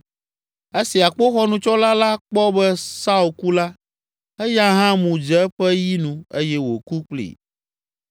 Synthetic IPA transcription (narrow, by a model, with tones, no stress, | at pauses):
e˦si˨a˨k͡po˦xɔ˦nũ˨t͡ʃɔ˦la˦la˦k͡pɔ˦bɛ˦sa˦u˨lku˦la˦ | ɛ˦ja˦ɦã˦mũ˨d͡ʒɛ˦ɸɛ˦ji˦nũ˨e˦jɛ˦wo˨ku˦k͡plḭ˨